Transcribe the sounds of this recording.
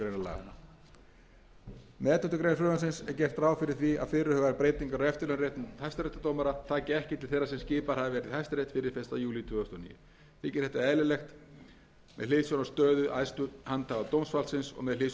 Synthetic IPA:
ɾejnala̰ɣa̰na̰ | mɛːt̪ʏt̪ʏkɾejnaflʏvansɪnsɛɾcɛr̥t̪raːwfɪɾɪɾ̥θvia̰ðfɪɾʏhœvɾpɾeːjt̪iŋkaɾɔɛft̪ɪlɛnret̪nhajst̪aɾejt̪at̪oːwmaɾat̪ʰaːcɪɛhcɪt̪ʰɪlθejrːasɛmscɪːpaɾhavɪvɛːɾɪðhajfst̪aɾejt̪fɪɾɪɾ̥fɪnst̪ajuːlit̪ʰvʏːast̪ʰɔːnḭːjʏ | θɪːcɪɾ̥hɛt̪aɛːlɪlɛxt̪ | mɛðleːðsjɔnast̪œːðʏʔajst̪ʏhant̪ʰavat̪owmsfalsɪnsɔ̰ɣmɛðleː

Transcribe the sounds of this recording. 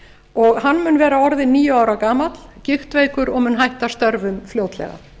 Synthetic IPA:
ɔɣhanːmʏnvɛːɾaɔɾðɪnːiːjʏaːwɾakaːmat̪l̥cɪxt̪veːjkʏɾɔɣmʏnɦajht̪ast̪œɾvʏmfljowt̪lɛ̰ɣa̰

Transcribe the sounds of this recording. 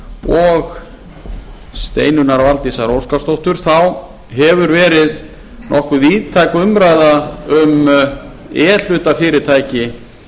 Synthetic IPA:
ɔɣ | st̪ḛːjnʏnaɾavalt̪isaɾoːwskast̪owht̪ʏɾ̥θaw | ɦɛvʏɾvɛːɾɪð | nʔɔhkʏðiːðt̪ʰajkʏmɾajðaʏm | ɛːl̥ʏːt̪afɪːɾɪ̥t̪ʰaːjcɪ

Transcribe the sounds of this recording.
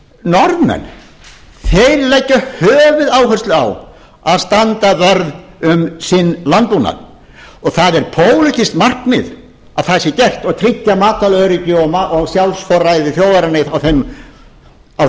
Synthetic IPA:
nɔɾðmɛ̰n | θejɾlɛjcːʏhœːvɪðaːwɦœ̥st̪lɪa̰w | aðst̪ant̪avœɾðʏmsɪnːlant̪̚puna̰ɾ | ɔɣθaðɛɾ̥pʰoːwlɪt̪ɪst̪mar̥kmɪ̰ð | awθɛsːɪcɛr̥t̪ɔɣt̪ʰɾɪcːamaːt̪alœːɾɪcʏɔmaʔɔɣsjalsfɔɾajðɪθjoːwvaɾanɪðawθem | aw

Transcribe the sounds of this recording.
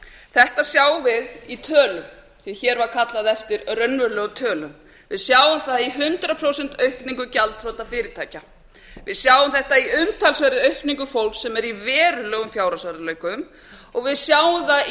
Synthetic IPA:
θɛht̪asjaːwvɪðit̪ʰœːlʏm | θiçɛɾvaɾkʰat̪laðɛft̪ɪɾrœnvœɾlœːɣʏt̪ʰœːlʏm | vɪðsjaːwʏmθaðiɦʏnt̪ɾapʰɾowsɛnt̪œɥhkniŋkʏcalt̪fɾɔːt̪afɪːɾɪt̪ʰaːjca | vɪðsjawʏmθɛht̪aiʏmt̪ʰalsvɛɾɪœɥhkniŋkʏfowlksɛmɛɾivɛːɾʏlœːɣʏmfjaːwɾasaɾalœːɥkʏm | ɔɣvɪðsjaːwʏmθa

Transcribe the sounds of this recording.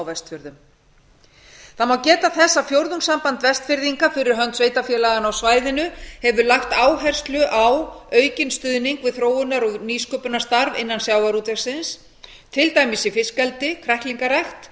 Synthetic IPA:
wvɛst̪fjʏɾðʏm | θamawcɛːt̪aθɛsːafjowɾðuŋksampant̪vɛst̪fɪɾðiŋkafɪɾɪɾ̥ɦœnt̪sveːjt̪afjɛlaɣanawsvaːjðɪnʏhɛvʏlaxt̪aːwɦɛr̥st̪lʏʔawœːɥcɪnst̪ʏðniŋkvɪðθɾoːwʏnaɾɔɣniːskœːpʏnḁst̪aɾvɪnːansjaːwaɾut̪ɛɾ̥sɪns | t̪ʰɪlt̪aːjmɪsifɪskɛlt̪ɪkʰɾɛht̪liŋkarɛxt̪

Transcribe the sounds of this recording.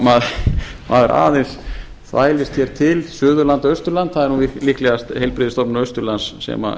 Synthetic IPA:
maðmaːðɛɾʔa̰ːðɪns | θvaːjlɪst̪çɛɾ̥t̪ʰɪlsʏːðʏlant̪aœst̪ʏɾlant̪θaðɛɾnunvilihklɛɣast̪hejlpɾɪːðɪst̪ɔpnʏœɥst̪ʏɾlansːɛ̰ma̰

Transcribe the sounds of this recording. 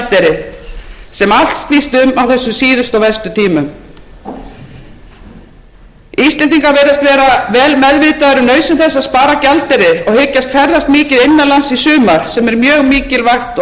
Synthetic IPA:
lt̪ɛɾɪ | sɛmal̥t̪st̪iːst̪ʏmawθɛsːʏmsiːðʏst̪ɔvɛst̪ʏt̪ʰiːmʏm | iːsɛnt̪iŋkaveːjɾast̪vɛːɾavɛːlmɛðvɪːt̪aðɾʏnœːɥsɪmθɛsːaðspaːɾacalt̪ɛɾɪɔɣhɪcːast̪fɛɾðast̪mɪːcɪðɪnːalansisʏːmaɾ̥sɛmɛɾmjœːɣmiːcɪlvaxt̪

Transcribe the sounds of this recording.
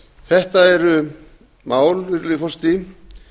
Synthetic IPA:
θɛht̪aɛɾʏ | maːwlvɪɾlɪfɔst̪i

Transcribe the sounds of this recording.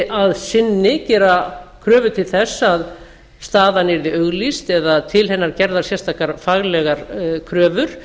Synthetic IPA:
ʔaðsɪnːɪcɛːɾakʰɾœːvʏt̪ʰɪlθɛsːað | st̪aːðanɛɾðɪœɣlist̪ɛðat̪ʰɪlɦɛnːaɾcɛɾðaɾ̥sjɛrst̪ʰakaɾfaɣlɛɣaɾkʰɾœːvʏɾ̥

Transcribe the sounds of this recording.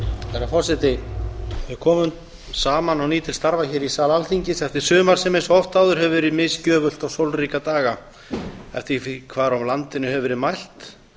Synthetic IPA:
θɛɾafɔr̥sɪt̪ɪvɪ̥kʰɔːmʏm | saːmanawniːt̪ɪlst̪aɾvaçɛːɾisaːlalθiɲcɪsɛft̪ɪɾ̥sʏːmaɾ̥sɛmejnsɔft̪aːwðʏɾ̥hɛvʏvɛɪɾɪðmɪscœːvʏl̥t̪awsowlriːkat̪aːɣa | ɛ̰ft̪ɪfkʰvaːɾawmlant̪ɪnʏɦɛvvɪɾɪðmajl̥t̪

